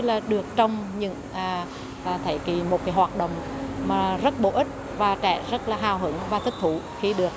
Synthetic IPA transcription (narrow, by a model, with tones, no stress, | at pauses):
laː˨˩ɗɨ˨˩ək̚t͡ɕɔ˧wŋ͡mɲɨ̰˧˥ŋʔː | t̪ʰə˧˩jki˧˨˩mo˨˩t̚kaː˨˦jɦwaː˨˩t̚ɗo̰˨wŋ͡mmaː˨˩zə˦˥t̚ɓo̰˧˦ʔï˦˥t̚ | vaː˨˩t͡ɕɛ̰˧˩˨zə˦˥t̚laː˨˩ɦaː˨˩wɦɨ˨˦ŋvaː˨˩t̪ʰï˦˥k̚t̪ʰṵ˧˩˦ | xi˧ɗɨ˨˩ək̚